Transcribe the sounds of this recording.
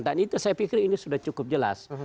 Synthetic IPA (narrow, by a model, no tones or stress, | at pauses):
nt̪anit̪usajapikɪrinisudaht͡ʃukʊp̚d͡ʒəla̰s